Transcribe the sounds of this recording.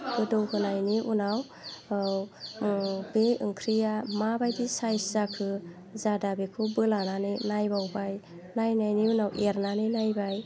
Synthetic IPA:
ɡɯdɯwkʰɯnajniʔunaw | w | beɯ̰ŋkʰɾijamabajdisajszakʰɯ | zadabekʰɯbɯlananinajbawbaj | najnajniunawʔeɾnaninajbaj

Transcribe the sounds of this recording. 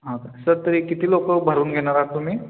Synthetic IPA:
ɦãt̪sɐɾt̪ɐɾikɪt̪ilokobʱɐɾuːnɡʱenaɾat̪umi

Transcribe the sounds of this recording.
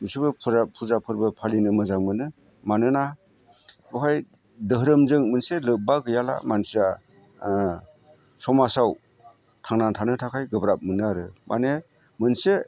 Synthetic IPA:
misubɯpʰuzapʰuzapʰɯɾbɯpʰalinɯmɯzaŋmɯnɯ | manɯna | ɡɔɦaj | dɯɦɾɯmzɯŋmɯnselɯbaɡɯjala̰mansia | sɔmasaw | tʰaŋnantʰanɯtʰakʰajɡɯbɾap̚mɯnɯaɾɯmʔa̰ne | mɯnse

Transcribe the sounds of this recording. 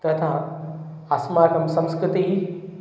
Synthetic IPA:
t̪ɐt̪ʰa | ɐsmaːkʰɐmsɐ̃mskɾɪt̪ii

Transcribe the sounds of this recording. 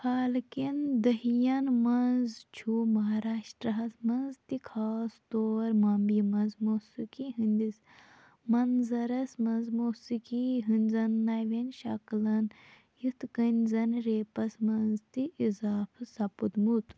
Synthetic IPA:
haːlkind̪ɐɦijɐnmɐnzt͡ʃʰumɐɦaːɾaːʃʈɾɐɦɐsmɐnzt̪ikʰaːst̪oːɾmɐmbimɐnzmoːsikiɦɨnʲd̪is | mɐnzɐɾɐsmɐnzmoːsikiɦɨnʲzɐnːajʋenʃɐklɐn | jit̪kənʲzɐnɾeːpɐsmɐnzt̪iʔizaːpʰɨsɐpud̪mut̪

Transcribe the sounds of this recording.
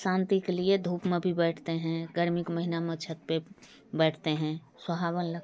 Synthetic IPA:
sãːnt̪ikelied̪ʱuːpmẽbʱibɛːʈʰt̪eɦɛ̃ɡəɾmɪkməɦinamət͡ʃʰət̪̚pe | bɛːʈʰt̪eɦɛ̃ | swəbʱaːbənlə

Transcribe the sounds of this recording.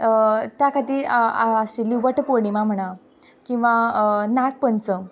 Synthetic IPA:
t̪jakʰat̪iːaseliʋəʈpoɽimãm̤əɽ̃a | kĩw̃ʋanak̪̚pənt͡sə

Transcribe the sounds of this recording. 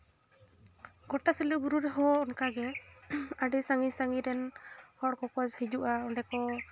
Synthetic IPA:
ɡɔʈasɛlɛbuɾuɾɛɦɔ̃ɔnkaɡɛ | aɖisaŋisaŋiɾɛnhɔɽkɔkɔd͡ʒhid͡ʒuʔaɔɳɖɛkɔ

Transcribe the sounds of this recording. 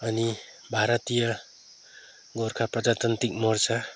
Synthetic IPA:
ʌni | bʱaɾʌt̪ija | ɡoɾkʰapɾʌd͡ʒat̪ʌnt̪ik̚mɔɾsa

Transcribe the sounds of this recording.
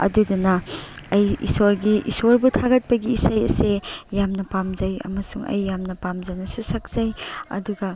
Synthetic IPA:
ɐ̰dudunɐ | ɐjḭsoɾɡiʔisoɾbutʰaɡɐt̚pɐɡiːsɐjɐ̰sejamnɐpamzɐjɐ̰mɐsuŋɐ̰jːamnɐpamzɐnɐsusɐk̚z̥ɐjɐ̰duɡɐ

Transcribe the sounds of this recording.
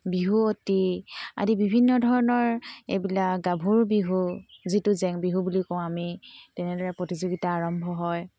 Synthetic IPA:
biɦuotia̰dibibʱinːɔdʱɔɹɔnɔɹḛbilakɡabʱuɹbiɦuzitʊzɛŋbiɦubulikɔ̃w̃amitɛnɛdɔɹɛpɹotizoɡitaːɹɔmbʱɔɦɔj

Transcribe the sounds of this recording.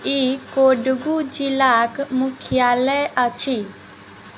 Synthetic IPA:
ikoɖɡud͡ʒilakmukʰjalɛət͡ʃʰi

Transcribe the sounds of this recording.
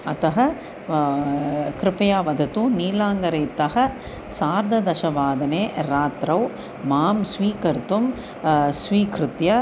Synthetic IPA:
ɐt̪ɐɦɐ̆ | kɾɪpɐjaːʋɐd̪ʱɐt̪uniːlaːŋɡɐɾeːt̪ɐɦɐ̆ | saːɾd̪ʱɐd̪ɐʃɐʋaːd̪ɐneːɾaːt̪ɾɐw | maːmsʋiːkɐɾt̪um | sʋiːkɾɪt̪jɐ

